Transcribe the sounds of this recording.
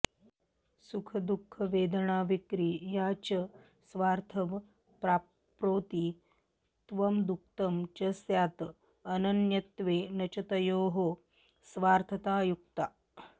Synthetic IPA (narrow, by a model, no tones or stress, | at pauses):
sukʰɐd̪ukʰːɐʋeːd̪əɳaːʋikɾiːjaːt͡ɕə | sʋaːɾt̪ʰɐʋ | pɾa | pɾoːt̪iː | t̪ʋɐmd̪uk̚t̪ɐmt͡ʃɐsjaːt̪ | ɐnɐnjɐt̪ʋeːnɐt͡ʃɐt̪ɐjoːɦo | sʋaːɾt̪ʰɐt̪aːjuk̚t̪a